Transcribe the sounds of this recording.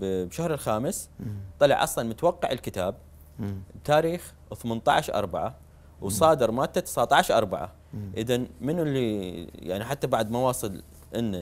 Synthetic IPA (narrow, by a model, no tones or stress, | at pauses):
bbʃahɾɪlxaːmɪst̪ˤɑlɑ̰ʕʔɑ̰sˤlɑnmʊt̪awɑqːɑʕɪlkɪt̪aːb̚ | t̪ːaːɾiːx | θmant̪ˤɑ̰ʕʃʔɑ̰ɾˤbaʕa | wsˤɑːd̪ɨɾˤmaːt̪ːat̪ɪ̥saʕt̪ˤɑʕʃʔɑ̰ɾˤbaʕa̰ | ʔɪðanmɪnlːija̰ʕniħat̪ːabaʕd̪mɑwɑːsˤɨl | ʔɪnːa